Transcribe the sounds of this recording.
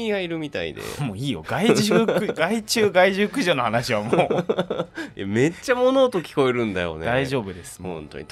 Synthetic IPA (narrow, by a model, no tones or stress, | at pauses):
iɡaiɾɯ̟mʲit̪a̰ḭd̪ḛmoːiːjoɡ̥aiʑɨkɡait͡ɕɨːɡaiʑɨkɯ̟ʑo̞ːno̞hanaɕiβamoː | eme̞t͡ɕːamo̞no̞ːt̪o̞kʲi̥ko̞eɾɯ̟̃nd̪a̰jo̰neaiʑo̞ːbɯ̟d̪e̞sɨ̥hõnt̪o̰ɲit̪